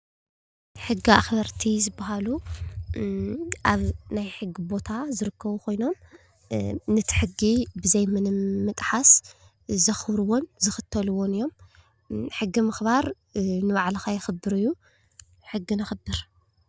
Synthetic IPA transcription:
ħɨɡːiaxbɐɾt̪ʰizɨbːaɦalu | ʔaβnajħɨɡːibo̞t̪ʰazɨɾɨkːɐβukʰo̞jno̞m | nɨt̪ʰi̥ħɨɡːibɨzɐjmɨnmɨt̪ʼħas | zɐxβɾɨwonzɨxɨt̪ʰːɐluwonɨjːo̞m | ħɨɡːimɨxβaɾ | nɨβaʕlɐxajɪxɨbːɨɾɨjːu | ħɨɡːinɨxɨbɨɾ

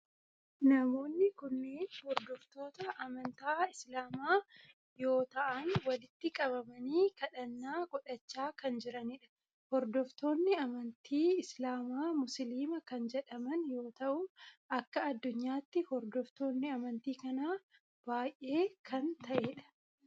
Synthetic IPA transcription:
nɐmo̞ːnːɪkʊnːeːnhɔɾd̪ɔft̪o̞ːt̪ɐʔːmɐnt̪aːɪslaːmaː | jo̞ːt̪ɐʔɐnwɐlɪt̪ːɪkʼɐβɐmɐniːkɐᶑɐnːaːɡʼɔᶑɐt͡ʃːaːkɐnd͡ʒɪɾɐniːᶑɐ̥ | hɔɾd̪ɔft̪o̞ːnːɪɐmɐnt̪ʰiːɪslaːmaːmʊsliːmɐkɐnd͡ʒɛᶑɐmɐnjo̞ːt̪ɐʔʊʔɐkːɐɐd̪ːʊɲːaːt̪ːɪhɔɾd̪ɔft̪o̞ːnːɪɐmɐnt̪iːkɐnaː | b̥aːjʔe̞ːkʰɐnt̪ɐʔeːᶑɐ̥

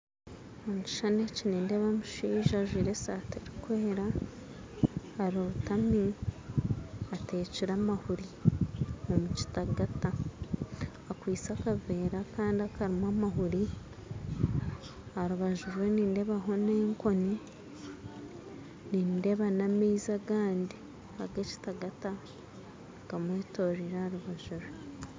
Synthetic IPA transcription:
oːɲci̥ʃanecinendeβamuʃiːʒaʒwiːɾesateɾikweːɾa | haɾioβutami | ate̞ːciɾamahuɾi | omuci̥taɡata | kwiːt͡sakave̞ːɾakaːndiakaɾimwamaɦuɾi | aɾuβaʒuɾwe̞niːnde̞βaɦo̞neːŋko̞ni | niːnde̞βanameizaɡaːndi | aɡeci̥taɡata | ɡ̥amweːtoɾiɾaaɾuβaʒuɾwe

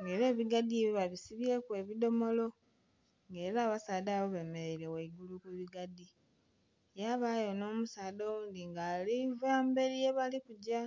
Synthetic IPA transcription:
ŋɡe̞ːɾe̞ːβiɡadːieβiβaβisiβje̞kwe̞ːβido̞mo̞lo̞ | ŋɡe̞ːɾaːβasaːdaβoβe̞meeɾe̞weiɡulukuβiɡadi | jaβaːjo̞no̞ːmusaːdo̞wuːnd̪iŋɡaːlivaːmbe̞ɾijeβalikuɟa

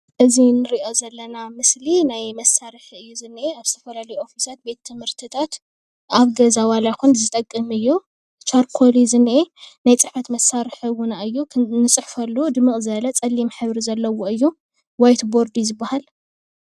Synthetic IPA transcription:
ʔɨzinɨɾiʔo̞zɐlːɐnamɨslinajmɐsaɾɨħɨjːuzɨnːʔeaβz̥ɨt̪ʰɐfɐlalɐjuʔo̞fisat̪̚be̞t̪ʰːɨmhɨɾt̪ʰɨt̪ʰat̪ | aβɡɐzawalajkunzɨt̪ʼɐkʼːɨmɨjːu | t͡ʃʰaɾkʰolizɨnʔenajt͡sʼɨħfɐt̪mɐsːaɾɨħɨwʊnaɨjːunɨt͡sʼɨħfɐlːud̪ɨmɨkʼzɐlɐt͡sʼɐlimħɨβɾizɐlːɐwoɨjːu | wajt̪bo̞ɾd̪izɨbːahal

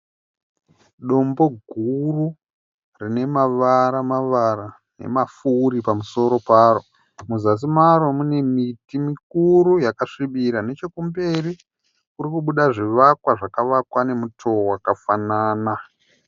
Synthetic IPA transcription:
ɗo̞mbo̞ɡʱuru | rine̞maʋaɾamaʋaɾa | ne̞̰mafuɾipamuso̞ɾo̞paːɾo̞ | muzas̬imaɾo̞mune̞mitimik̚uɾujakaʂiɓiɾane̞t͡ʃekumbeɾi | kurikuɓuɗaʐiʋakwaʐakaʋakwane̞mutʰo̞wakafanaːna

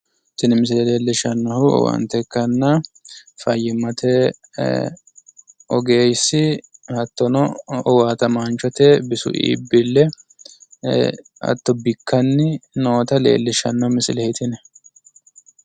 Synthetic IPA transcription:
sɪnmɪs̬ɪlɛle̞ːlːɪʃɐnːɐhʊɔ̰wa̰ːnt̪ɛkːɐnːɐ | fɐjːɪmɐt̪ʰe | ʔɔɡe̞ːjsːɪhɐt̪ːɔnɔɔwaːt̪ɐmaːnt͡ʃɔt̪ɛbɪsʊ̰ʔḭḭːbːɪlːɛ | ɐ̰t̪ːɔbɪkːɐnːɪno̞ːt̪ɐle̞̰ːlːɪʃɐnːɐmɪsɪlɛhɪt̪ɪnɛ

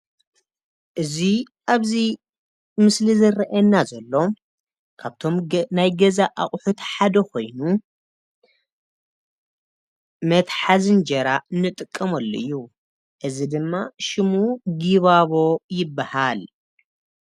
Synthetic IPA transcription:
ʔɨzi | ʔaβzi | mɨslizɐrɐʔɐnːazɐlːo̞m | kʰaβt̪ʰo̞mnajɡɐzaʔaχʼħut̪ħad̪ɐkʰo̞̰jnu | mɐt̪ħazɨnd͡ʒɐɾanːɨt̪ʼɨkʼːɐmɐlːoɨjːu | ʔɨzid̪ɨmːaʃɨmuɡiβaβo̞jɪbːahal

